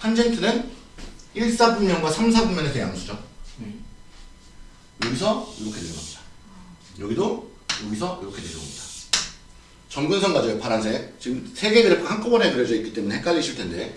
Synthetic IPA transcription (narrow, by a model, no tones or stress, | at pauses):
pʰand͡ʑentʰɯnɯn | iɭs͈abumɲʌnɡwasʰamsʰabumjʌnetʰeɡea̰msʰud͡ʑon | joɡisʰʌjuɾokʰedeɾiŋɡʌmɲid̥ḁ | jʌɡido | joɡisʰʌjuɾʌkʰe̞deɾiŋɡʌ̰mɲid̥ḁ | t͡ɕʌmɡunsʰʌŋɡad͡ʑoepaɾans̬ʰe̞t͡ɕiɯmsʰe̞ɡe̞ɡɯɾɯkʰohaŋk͈ʰobʌnɦetɯɾjʌd͡ʑʌik͈it͈e̞muneɦek͈aʎːiɕʰɯɭtʰe̞nde̞